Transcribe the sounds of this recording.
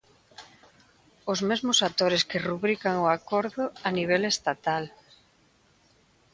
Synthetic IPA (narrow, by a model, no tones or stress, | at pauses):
ʊzmezmʊsat̪oɾeskɪruβɾikaŋoakoɾðʊaniβ̞ɛlest̪at̪al